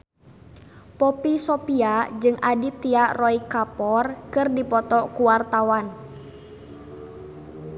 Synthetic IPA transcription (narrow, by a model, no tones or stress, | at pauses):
pɔpisɔpiad͡ʒɨŋadit̪iarɔikapɔrkɨrdipɔt̪ɔkuwart̪awan